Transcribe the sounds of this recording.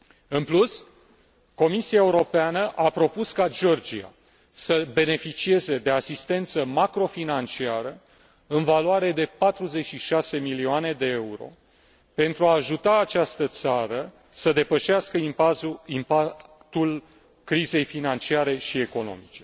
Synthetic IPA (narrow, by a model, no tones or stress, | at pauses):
ɨnplus | ko̞misiae̞uɾo̞peanəʔapɾo̞puskad͡ʒo̞rd͡ʒia̰ | səbe̞ne̞fit͡ʃie̞ze̞d̪e̞asist̪e̞nt̪səmakɾo̞finant͡ʃiaɾə | ɨnvalwaɾe̞d̪e̞pat̪ɾuze̞t͡ʃʃiʃase̞milioane̞d̪e̞e̞uɾo̞̰ | pe̞nt̪ɾuaːʒut̪aːt͡ʃast̪ət̪saɾə | səd̪e̞pəʃeaskəiimpa | t̪ul | kɾize̞jfinant͡ʃiaɾe̞ʃie̞ko̞no̞̰mit͡ʃe̞̥